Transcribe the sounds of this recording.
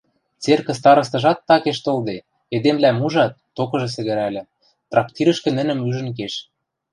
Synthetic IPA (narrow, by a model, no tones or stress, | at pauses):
t͡serkə̆st̪ɑɾɤ̆s̬t̪ɤ̆ʒɑt̪ːɑkeʃt̪old̪e | ed̪emlæmuʒɑt̪ːokɤ̆ʒɤ̆s̬ɘ̆ɣɘ̆ɾælɘ̆ | t̪rɑk̚t̪iɾə̆ʃkɘ̆nə̆nə̆myʒə̆nk̬eʃ